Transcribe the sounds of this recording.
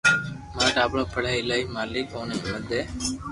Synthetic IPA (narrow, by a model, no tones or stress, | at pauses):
mãːɖaːbloːpəɽ̤aːɪlaːiːmaːliːkoːneməd̪eː